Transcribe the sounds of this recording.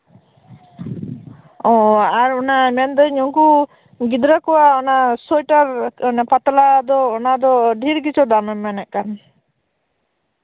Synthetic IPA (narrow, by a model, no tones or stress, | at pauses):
ɔaɾɔnamɛnd̪ɔɲɔŋku | ɡid̪ɾakɔwaɔnasɔjʈaɾnapat̪lad̪ɔːnad̪ɔɖʱiɾɡit͡ʃɔd̪amɛmːɛnɛʔkan